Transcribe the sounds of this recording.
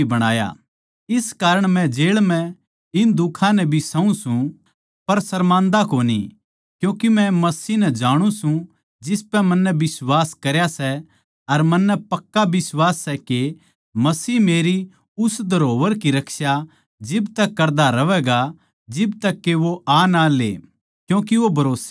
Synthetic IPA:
bɐɽ̃aːja̰ | ɪskaːɾəɽ̃mɛ̃d͡ʒeːɭmɛ̃ | ɪnd̪ʊkʰãnɛbʱisɐ̃ũsũ | pɐɾsɐɾmãːnd̪akoːnḭ | kjũːkimɛ̃mɐsiːnɛd͡ʒaːɽ̃ũsũ | d͡ʒɪspɛmɐnːɛbɪswaːskɐɾjasɛ | ɐɾmɐnːɛpɐkːabɪswaːsːɛke | mɐsiːmeːɾi | ʊsd̪ʱɐɾoːʋəɾkiɾɐkʰsja | d͡ʒɪbt̪ɐkːɐɾd̪aɾɐʋɛːɡa | d͡ʒɪbt̪ɐkːeʋoaːnalḛː | kjũːkiʋobʱɐɾoːse

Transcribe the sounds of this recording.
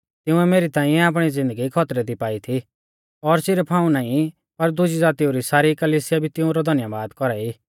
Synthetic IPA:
t̪ɪʊ̃ɛmeːɾit̪ãːĩɛaːp̬ɽ̃id͡zɪ̃nd̪əɡikʰɔt̪ɾɛd̪ipaːit̪ʰi | ɔɾsɪɾpʰaːũnaːĩ | pɐɾd̪ʊd͡ʒid͡zaːt̪ioɾisaːɾikɐliːsɪjabʱit̪ɪũɾɔd̪ʱɐnjabaːd̪kɔɾaiː

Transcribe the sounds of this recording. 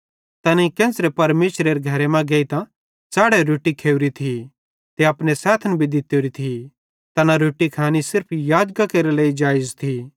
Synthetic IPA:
t̪ɐnikɛ̃ːsɾepɐɾmeːsɾeɾeɡʱɐɾemɛ̃ɡɐit̪ã | t͡saːɽeɾoːʈikʰeːuɾit̪ʰi | t̪eɐpnesaːt̪ʰnbʱid̪ɪt̪joɾit̪ʰi | t̪ɐnaɾoːʈikʰaːnisɪɾpʰjaːd͡ʒɡakeːɾeleːid͡ʒaːjd͡ʒt̪ʰi

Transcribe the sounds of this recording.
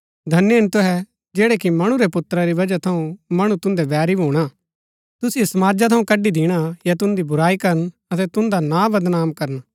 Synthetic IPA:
d̪ʱɐnːeɪnt̪ʊɦɛ | d͡ʒeːɽekimɐɽ̃ũɾepʊt̪ɾaɾiʋɐd͡ʒat̪ʰɐũmɐɽ̃ũt̪ʊ̃nd̪ɛʋɛːɾibʱuːɽ̃a | t̪ʊsijsɐmaːd͡ʒat̪ʰɐũkɐɖid̪iːɽ̃ajat̪̬ʊ̃nd̪ibʊɾaːikɐɾən | ɐt̪̬ɛt̪ʊ̃nd̪anabɐd̪naːmkɐɾən

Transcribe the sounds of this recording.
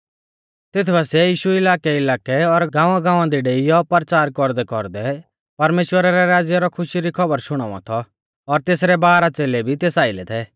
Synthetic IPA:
t̪ɪt̪ʰbasɛjiːʃuɪlaːkɛɪlaːkɛɔɾɡãːʋãɡãːʋ̃ãd̪iɖeːijɔpɐɾt͡ʃaːɾkɔɾd̪ɛkɔ̰ɾd̪ɛ | pɐɾmeːʃwəɾaɾɛɾaːd͡zjaɾɔkʰʊʃiɾikʰɐbəɾʃʊɽ̃ã̰ːɔ̰̃t̪ʰɔ | ɔɾt̪eːsɾɛbaːɾat͡seːlɛbʱit̪eːsaːɪlɛt̪ʰɛː

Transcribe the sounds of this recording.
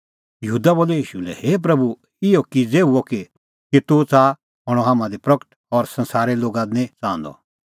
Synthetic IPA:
jɐɦuːd̪aboːlɛjiːʃulɛ̰heːp̬ɾɐbu | ɪjokid͡zeːuoki | kit̪ut͡sa | ɦɔɽ̃ɔɦaːmãd̪ipɾɐkə̥ʈ | ɔɾsɐ̃nsaːɾeloːɡãnẽt͡sãːnd̪ɔ̰

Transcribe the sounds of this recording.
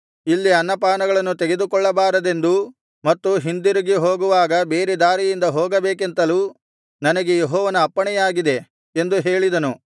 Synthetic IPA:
ilːiɐnːɐpaːnɐɡɐɭɐnːut̪e̞ɡe̞d̪ukɔɭːɐbaːɾɐd̪e̞nd̪u | mɐt̪ːuɦind̪iɾiɡeɦoːɡuʋaːɡɐbe̞ːɾed̪aːɾijind̪ɐɦoːɡɐbeːk̬ent̪ɐluː | nɐnɐɡe̞jeɦɔːʋɐnɐːpːɐɳɛjaːɡid̪e̞ | end̪uɦe̞ːɭid̪ɐnu

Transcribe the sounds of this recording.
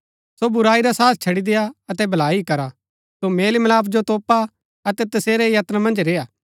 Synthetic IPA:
sobʊɾaːiɾasaːt̪̚ʰt͡ʃʰɐɽid̪ejaɐt̪ɛbʱɐlaːikɐɾa | someːlimɐlaːpʰd͡ʒot̪oːpa | ɐt̪ɛt̪ɐseːɾɛjɐt̪namɐ̃nd͡ʒɾeːaː

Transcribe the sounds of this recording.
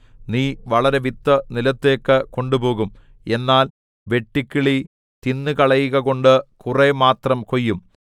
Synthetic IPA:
niːʋɐɭɐɾe̞ʋit̪ːɐnilɐt̪ːe̞ːkːɨko̞ɳɖupo̞ːɣum | e̞nːaːl | ʋe̞ʈːikʲːiɭi | t̪inːɨkɐɭɐjiɣɐɣo̞ɳɖɨkuremaːt̪rɐmko̞jːum

